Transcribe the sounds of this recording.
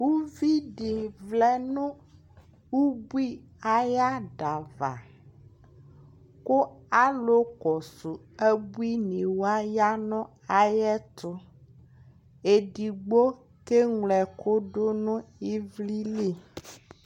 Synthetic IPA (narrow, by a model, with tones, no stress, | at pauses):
wu˦vi˦ɖi˨vlɛ˦nũ˦ | wu˦bu˦i˦ | a˨ja˦ɖa˨va̰˨ | ko˦a˦lo˦kɔ˨su˨ | e˦bu˦i˦nĩ˨wo˦a˦ja˦nɔ̃˦ | a˨jɛ˦t̪ɔ˦ | e˨ɖi˨ɡ͡bo˦ | ke˦ŋlɛ˨ko˦ɖo˦nũ˦i˦vli˦li˦